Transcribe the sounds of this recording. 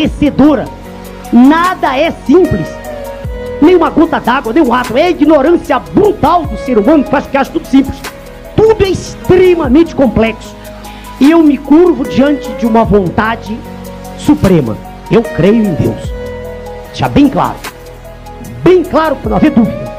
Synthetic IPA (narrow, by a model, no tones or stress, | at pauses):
esed̪oɾɐ̰ | nad̪ɐɛsĩplɪs | nẽj̃ũmɐɡot̪ɐd̪aɡwɐnẽj̃ũat̪ʊɛiɡnoɾɐ̃siɐbɾut̪awd̪ʊseɾumɐ̃nʊpewaʃʊ̥kɪewaʃʊ̥t̪ud̪ʊsĩmplɪs | t̪ud̪ʊɛist̪ɾemɐmẽnt͡ʃɪ̥kõplɛksʊ̥ | ɪewmɪkuɾvʊd͡ʒiɐ̃nt͡ʃɪd͡ʒɪũmɐvõnt̪ad͡ʒɪ | supɾẽmɐ̰ | ewkɾejʊẽd̪ḛws | ʃɐbẽj̃kla̰ɾʊ | bẽj̃klaɾʊkɪɾɐnɐ̃w̃ɐved̪uvid̪ɐ